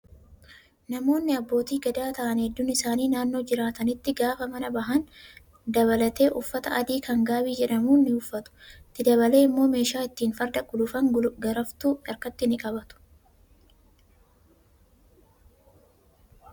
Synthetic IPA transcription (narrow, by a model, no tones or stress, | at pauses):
nɐmo̞ːnːɪɐbːo̞ːt̪iːɡɐd̪aːt̪ɐʔɐnhɛd̪ːʊnɪsaːniːnaːnːo̞ːd͡ʒɪɾaːt̪ɐnɪt̪ːɪɡaːfɐmɐnɐbɐɦɐn | d̪ɐβɐlɐt̪e̞ːʔʊfːɐt̪ɐʔɐd̪iːkɐŋɡaːbiːd͡ʒɛᶑɐmuːnːɪʊfːɐt̪ʊ̥t̪ːɪd̪ɐbɐle̞ːɪmːo̞ːme̞ːʃaːɪt̪ːiːnfɐɾd̪ɐɡʊlʊfɐŋɡɐɾɐft̪uːᶑɐɾkɐt̪ːɪnɪkʼɐbɐt̪ʊ̥